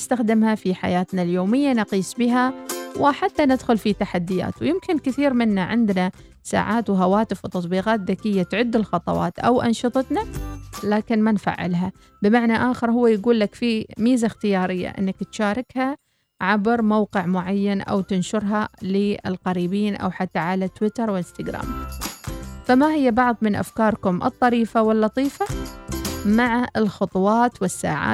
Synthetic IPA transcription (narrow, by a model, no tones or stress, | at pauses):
ɪst̪axd̪ɪmhafiħa̰jaːt̪naljoːmɪjːanɑqiːsˤbiɦawɪħat̪ːanɪd̪xʊlfit̪aħad̪ːɪja̰ːt̪wjɪmkɪnkɪθiːɾmɪnːaʕɪ̰nd̪na | sa̰ːʕaːt̪wɦawaːt̪ɪfwt̪ɑt̪ˤbiːɣaːt̪ðakɪjːat̪ʕʊd̪ːɪlxɑt̪ˤɑ̰wɑ̰ːt̪ʔa̰wʔɑ̰nʃɨt̪ˤɑt̪nalaːkɪnmanfa̰ʕːɪ̰lɦa | bɪmaʕnaʔaːxɪɾɦʊwːajɡuːlːakfimiːzaxt̪ɪjɑːɾɪjːa̰ʔɪ̰nːakt̪ʃaːɾˤɪkha | ʕabɾmawqɪʕmʊʕajːanʔa̰wt̪ɪnʃʊɾɦalɪɪ̰lqɑɾiːbiːnʔa̰wħat̪ːaʕalat̪wɪt̪ɑɾˤwɪlɪst̪aɡɾa̰ːm | famahɪjːabɑʕðˤmɪnʔa̰fkɑːɾˤkʊmʔɨ̰t̪ˤːɑɾiːfawɪlːɑt̪ˤiːfa | maʕaɪlxʊt̪ˤwɑːt̪wɪsːa̰ːʕa̰ː